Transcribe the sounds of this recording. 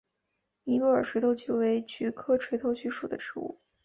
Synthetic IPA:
ni˧˥lu˥ə˞˨˩ʈ͡ʂʰwe˧˥ɪt̪ʰo˥ʊt͡ɕʰy˥we˧˥ɪt͡ɕʰy˧˥kʰɤ˥˩ʈ͡ʂʰwe˧˥ɪt̪ʰo˥ʊt͡ɕʰy˥ʂu˨˩d̪ə̰˦ʈ͡ʂʰɻ̩˧˥ṵ˥˩

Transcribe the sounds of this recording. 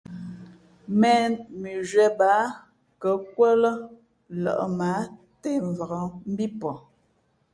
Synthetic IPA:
mɛ˦nmi˨ʒwɛ˨baː˨˦ | kə˨˦kwə˦lə˦ | lə̰˨ʔma˨˦ | te˦˨ɱ˨və˨ɣə˨m̩˦bi˦pɔ˨

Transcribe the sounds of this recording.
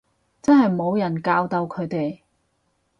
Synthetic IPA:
t͡sɐ˥nɦɐ˨jmo˨˧wjɐ˨˩nkaː˧wt̪ɐ˧wkʰɵ˨˧ɥt̪e˨j

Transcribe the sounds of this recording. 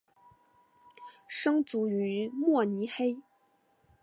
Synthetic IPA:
ʂɤ˥ŋt͡su˧˥y˧˥mwɔ˥˩ni˧˥xe˥ɪ

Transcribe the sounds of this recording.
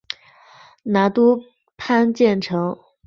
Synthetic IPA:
na˧˥t̪u˥ | pʰa˥nt͡ɕjɛ˥˩nʈ͡ʂʰɤ˧˥ŋ

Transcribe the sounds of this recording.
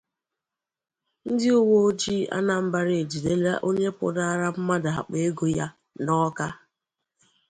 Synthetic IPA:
n̩˦dɪ˦o˦wo˦o˦d͡ʒi˦a̰˦na˨m̩˦ba˨ɾɪ˨e˨d͡ʒi˨de˦la˦ʔo˦ɲe˦pʊ̰˨da˦a˦ɾa˦m̩˦ma˦da˨a̰˨k͡pe˦ɡo˦ja˦ | nɔ˦ka˦

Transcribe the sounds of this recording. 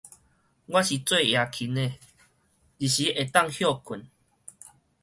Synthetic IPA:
ɡwa˦ɕi˨t͡swe˥˧ja˨˧kʰi˨˦ne˨ | li˨ɕi˨˦ʔe˨t̪a˥˧˨ŋhjɔ˥˧kʰu˨˩n

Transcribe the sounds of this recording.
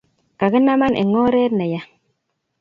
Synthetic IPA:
ka˨ɡə˦na˦ma˦nʔḛ˨ŋoː˦ɾe˦ɾna˨ja˦

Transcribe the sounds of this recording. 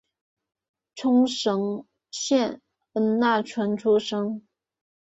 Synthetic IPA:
ʈ͡ʂʰʊ˥ŋʂɤ˧˥ŋ | ɕjɛ˥˩n | ə˧˥nna˥˩ʈ͡ʂʰwa˧˥nʈ͡ʂʰu˥ʂɤ˥ŋ

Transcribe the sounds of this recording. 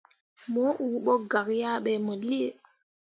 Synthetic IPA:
mɔ˨˦ʔu˨˦ɓɔ˦ɡa˨kja˦ɓɛ˨mɔ˨li˦e˨

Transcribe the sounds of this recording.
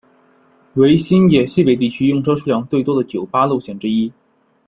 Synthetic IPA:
we˧˥ɪɕi˥njɛ˨˩ɕi˥˩pe˨˩ɪt̪̬i˥˩t͡ɕʰy˥jʊ˥˧ŋʂɤ˥ʊʂu˥˧jɑ˥ŋtt͡s̪we˥˩ɪt̪wɔ˥d̪ə˨t͡ɕjo˨˩ʊpa˥lu˥˧ʊɕjɛ˨˩nʈ͡ʂɻ̩˥i˥

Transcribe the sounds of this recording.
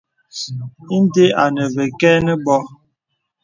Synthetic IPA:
i˦n˦te˦a˨nə˨vɛ˨kɛː˦nə˦bɔ˦

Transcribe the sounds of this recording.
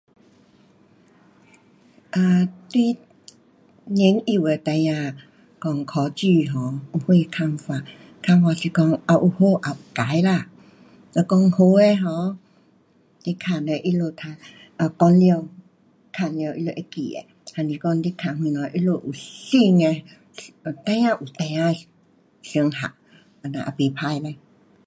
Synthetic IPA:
ʔa˨˧t̪wi˧˦ | ɲi˨˦ŋi˧˨we˨˩t̪a˧jã˧ | kɔ˧ŋkʰɔ˨˧˦t͡ɕy˧˨ɦɔ̃˨˦u˨hwe˧kʰa˧ŋfa˧ | kʰa˧ŋfa˧˨si˨kɔ˧ŋa˨ʔu˨ho˧˦ʔa˨u˨ka˨˦jla˧˨ | ə˧kɔ˧ŋho˧e˧ɦɔ̃˨˧˦ | li˦kʰa˧˨ne˧ʔi˦lo˧t̪ʰa˧ | a˧kɔ˧nljə˧w | kʰa˧˩nljə˧ʔḭ˦lo˧ʔe˧˦kḭ˨ḛ˨ | ha˧ni˨˧kɔ˧ŋli˦kʰa˧˨hwĩ˧nɔ̃˨˦ʔi˦lo˧ʔu˨si˥˧ŋe˧ | t̪ã˦jã˦˧ʔu˨t̪ã˧˦a˧ | si˧˦ŋha̰˨ʔ | a˨˧nã̰˨ʔa̰˨pe˨pʰa˧jla˧

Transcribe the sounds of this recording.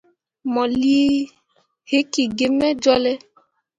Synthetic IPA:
mɔ˨li˦ | he˦ki˨ɡe˨mɛ˦d͡ʒɔ˦lɛ˦

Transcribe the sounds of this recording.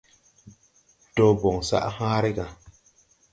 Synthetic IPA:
do˨bo˨ŋsa̰˦ʔhãː˦ɾe˦ɡa˨

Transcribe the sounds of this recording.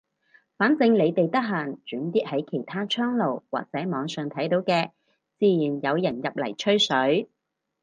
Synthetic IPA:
faː˨˥nt͡sɪ˧ŋle˨˧jt̪e˨jt̪ɐ˥k̚ɦaː˨˩nt͡ʃyː˨˥nt̪iː˥t̚hɐ˨˥jkʰe˨˩jt̪ʰaː˥t͡ʃʰœː˥ŋlo˨˩wwa̰ː˨k̚t͡sɛː˨˥mɔː˨˧ŋsœː˨ŋt̪ʰɐ˨˥jt̪o˨˥wkɛː˧ | t͡siː˧jiː˨˩njɐ˨˧wjɐ˨˩njɐ˨p̚lɐ̰˨˩jt͡ʃʰɵ˥ɥsɵ˨˥ɥ

